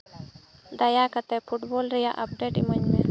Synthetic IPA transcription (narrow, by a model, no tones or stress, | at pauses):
d̪əjaːkət̪epʰuʈboːlɾijaʔɐp̚ɖeːʈiməɲme